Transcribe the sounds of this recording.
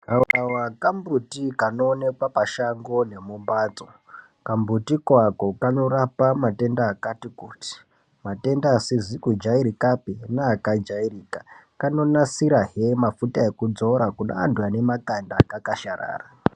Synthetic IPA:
aawakambutikano̞ːne̞kwapaʃaŋɡo̞ne̞mumbaːd͡zo | kambutikwako̞kano̞ɾapamate̞ndaːkatikuːti̥ | mate̞ndaːsizikud͡ʒaiɾikapenaːkad͡ʒairiːkakano̞nasiɾaɦemafutae̞kud͡zo̞ɾakuna̰a̰ndwane̞makandakakaʃaɾa̰ːra

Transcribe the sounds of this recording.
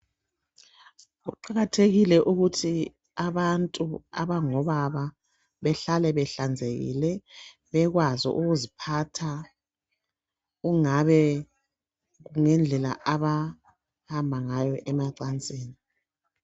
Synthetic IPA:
ɣuǃaɣatʰeɣilɛʔuɣutʰi | aβantʼua̰βaŋɔβaβa | βɛɬalɛβɛɬand͡zʱeɣḭlɛ | βɛɣwazɔ̰ʔuɣuzipʰatʰa | ɣuŋaβɛ | ɣuŋɛnd͡ɮʱɛla̰ʔaβa | hambʱaŋajɔʔɛmaǀant͡sʼeːni

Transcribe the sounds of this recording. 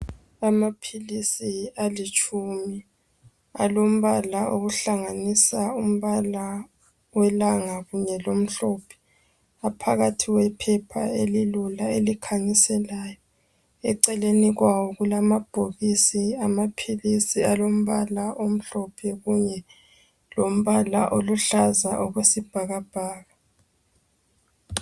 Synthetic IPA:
amapʰilisialit͡ʃʼumi | a̰lom̩βalaoɣuɬaŋanisaum̩βala | wɛlaŋaɣuɲɛlom̩ɬɔpʰɛ̥ | apʰaɣatʰiɣwɛpʰɛpʰaelilulaelikʰaɲisɛlaːjɔ | ɛ̰ǀɛleniɣwawɔɣulamab̥ʱoɣisiamapʰilisialom̩βalaʔom̩ɬɔpʰɛɣuɲɛ | lom̩βalaʔoluɬazaʔɔɣwesib̥ʱaɣab̥ʱaːɣa

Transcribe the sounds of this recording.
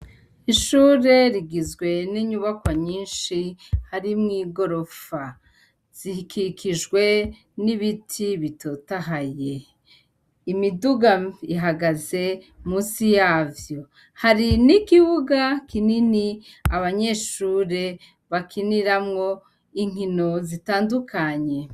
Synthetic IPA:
iʃuːɾe̞ɾiɡizɡwe̞niɲuβakwaɲiːnʃihaɾimŋiːɡo̞ɾo̞fa | z̥ihikʰikʰiʒɡwe̞ | niβitʰiβito̞ːtaɦaje̞ | imiduɡaiɦaɡaze̞ | muːsijaːvjo̞ | haɾinikiβuɡakininiaβaɲe̞ʃuːɾe̞ | βakʰiniɾamŋo̞ | iŋ̥hino̞zitaːndukʰaɲe̞

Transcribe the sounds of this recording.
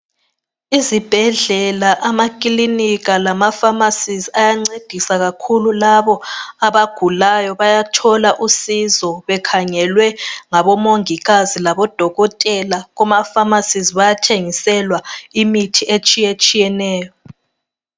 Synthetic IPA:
izib̥ʱɛɮɛlaʔamakʼiliniɣalamafamasiziajaŋ͡ǀed̥ʱisaɣakʰululaβɔaβaɡ̥ʱulajɔβajatʰɔlaʔusizɔβɛkʰaŋɛlwɛŋaβɔmoŋiɣazilaβɔd̥ʱɔɣɔtʼɛlaɣumafamasiziβajatʰeŋisɛlwaimitʰiʔet͡ʃʼijet͡ʃʼijɛnɛːjɔ

